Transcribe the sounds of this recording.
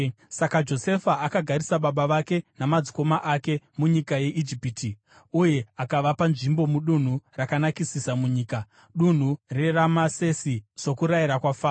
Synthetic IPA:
sakad͡ʒo̞se̞faʔakaɡʱaɾisaɓaɓaʋake̞namad͡ziko̞maʔake̞muɲikaje̞ʔid͡ʒipiti | uje̞akaʋapanʐimbo̞muɗun̤urakanakisisamuɲiːka | ɗun̤ure̞ramase̞siso̞kuɾajiɾakwafaː

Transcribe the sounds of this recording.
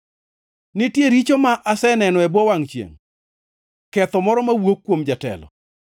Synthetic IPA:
nɪtjeɾit͡ʃomaʔasɛnɛnɔɛbwɔwaŋt͡ʃjḛŋ | kɛt̪ɔmɔɾɔmawokːwomd͡ʒatɛ̰lɔ̰

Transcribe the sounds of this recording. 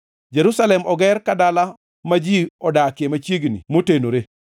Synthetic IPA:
d͡ʒeɾusalɛmɔɡɛɾkadala | mad͡ʒiɔdakemat͡ʃiɡnḭmotenoɾe

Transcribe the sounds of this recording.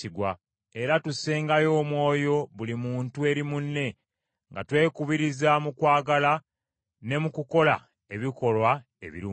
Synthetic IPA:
iɡwa | e̞ɾatuse̞ːŋɡajo̞ːmwo̞ːjo̞βulimuːntue̞ɾimunːe̞ | ŋɡa̰twe̞ːkuβiɾizamukwaːɡala | ne̞mukuko̞la̰ | e̞βiko̞lwa | ḛβḭɾi

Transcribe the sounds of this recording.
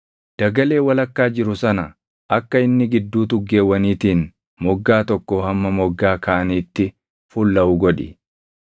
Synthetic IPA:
d̪̥ɐɡɐle̞ːwɐlɐkːaːd͡ʒɪɾʊsɐnɐ | ʔɐkːɐɪnːɪɡɪd̪ːuːt̪ʊɡːe̞ːwːɐniːt̪iːn | mɔɡːaːt̪ɔkːɔːhɐmːɐmɔɡːaːkɐʔɐniːt̪ːɪ | fʊlːɐʊɡɔᶑɪ̰

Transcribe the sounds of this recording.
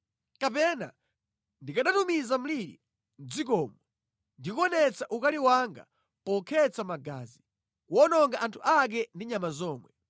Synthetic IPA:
kapɛna̰ | ndikaɗatumizam̩liɾḭ | n̩d͡zikɔːmɔ | ndikɔnɛt͡saʔukaliwaŋɡa̰ | pɔkʰɛt͡samaɡa̰ːzi | kuɔnɔŋɡaʔantʰuʔak̬ɛndiɲamazɔːmwɛ

